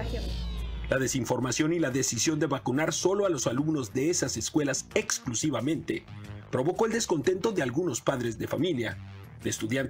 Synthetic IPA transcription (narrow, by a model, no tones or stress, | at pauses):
laðe̞siɱfoɾmasjo̞nilaðe̞sisjo̞nd̪e̞βakunaɾso̞lo̞alo̞salumno̞zðe̞esase̞skwe̞lase̞ksklusiβamẽ̞nt̪e̞pɾo̞βo̞ko̞eld̪e̞sko̞nt̪e̞nt̪o̞ðe̞alɣuno̞spaðɾe̞zðe̞fa̰milja | ðeeːst̪uðjant̪